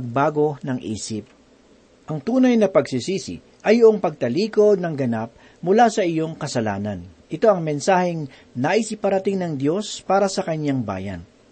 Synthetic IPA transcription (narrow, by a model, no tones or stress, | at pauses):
ɡ̚baːɡo̞nɐŋʔḭːsɪp̚ | ʔɐŋt̪uːnɐjnɐpɐɡsɪsiːsɪ̰ | ʔɐjːʊʔoŋpɐɡ̚t̪ɐliːko̞d̪̚nɐŋɡɐnap̚ | mʊlasɐʔɪjo̞ŋkɐsɐla̰ːnɐnʔɪt̪o̞ɐŋmɛnsaːhɛŋ | nɐʔisipɐɾɐt̪ɪŋnɐŋd̪jo̞spaːɾɐsɐkɐɲaŋba̰ːjɐ̰n